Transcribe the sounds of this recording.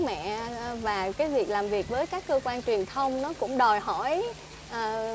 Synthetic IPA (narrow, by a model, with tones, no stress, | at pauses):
mɛ̰˧˨vaː˨˩kaː˨˦jvi˨˩ək̚laː˨˩mvi˨˩k̚vəː˨˦jkaː˦˥kːəː˧kwaː˧nt͡ɕwi˨˩ənt̪ʰə˧wŋ͡mnɔ˨˦kʊ̰˧˥ŋ͡mɗɔ˨˩jɦɔ˧˩˨j | ʔəː˨˩